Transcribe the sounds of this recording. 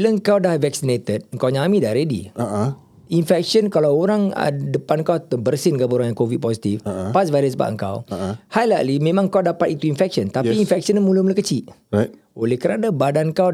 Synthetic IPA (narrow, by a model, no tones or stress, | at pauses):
iləŋkawdahvɛk̚sinet̪ət̪̚əŋkawɲãmĩdaɾedḭaʔ | infɛk̚sənkalawoɾaŋə̰dəpankawt̪əbərsinkapəoɾaŋjaŋkovid̚pɔsit̪ifpasvaɾəsba̰ʔə̰ŋka̰whajla̰limẽmãŋkawdapat̪it̪uinfɛk̚sənt̪apiːnfɛk̚sənmũlumləkət͡ʃiʔ | olɛhkəɾanabadankaw